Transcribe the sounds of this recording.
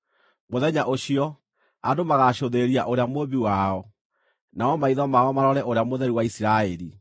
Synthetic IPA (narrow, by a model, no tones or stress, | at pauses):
moðɛɲaʔoɕiɔ | adomaɣaɕoðeɾiaʔoɾeamoβiwaɔ | naɔmaiðɔmaɔmaɾɔɾɛʔoɾeamoðɛɾiwaisiɾaɛɾi